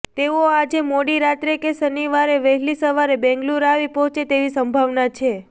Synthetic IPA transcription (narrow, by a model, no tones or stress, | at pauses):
t̪eoad͡ʒemoɽiɾat̪ɾekesəniʋaɾeʋəɦɛlisəʋaɾebɛ̃ŋɡluɾaʋipɔɦɔ̃t͡ʃet̪eʋisəmbʱaʋnat͡ʃʰe